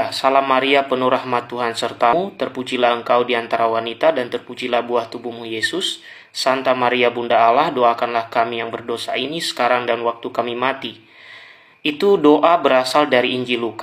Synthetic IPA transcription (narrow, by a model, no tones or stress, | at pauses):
salahmːaɾiapənuɾahmat̪ːuɦansərt̪aut̪ərpud͡ʒilahəŋkawdiant̪aɾawanit̪adant̪ərpud͡ʒilahbuaht̪ubumujesʊsː | ant̪amaɾiabundaːlahdoakanlahkamijaŋbərdosainisə̥kaɾaŋdanwak̚t̪ukamimat̪i | ʔit̪udoʔabəɾasaldaɾiːɲd͡ʒiluk